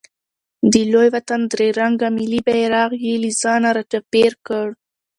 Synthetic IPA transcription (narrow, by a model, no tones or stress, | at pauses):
d̪əlojwat̪and̪ɾeɾaŋɡamilibajɾɑɣjelizɑnaɾat͡ʃapeɾkəɽ